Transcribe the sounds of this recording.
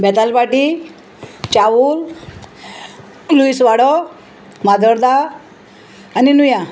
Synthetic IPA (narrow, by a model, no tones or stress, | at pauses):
bɛt̪alpaʈi | t͡ɕaʋul | luisʋaɽɔ | mad̪ʱəɾd̪a | ninuja